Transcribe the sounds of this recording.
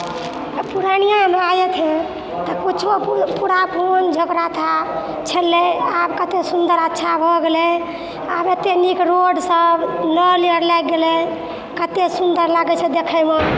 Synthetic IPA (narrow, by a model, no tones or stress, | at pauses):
puɾanijãmeajet̪ʰɛ̃ | t̪ɔkut͡ʃʰopuɾapʰond͡ʒʱəɡɾat̪ʰa | t͡ʃʰəlːɛabkət̪esund̪əɾətːʃʰabʱɔɡelɛ | abet̪enikɾoɖsəbnəliəɾlɛɡelɛ | kət̪esund̪əɾlaɡɛt͡ʃʰɛd̪ekʰəme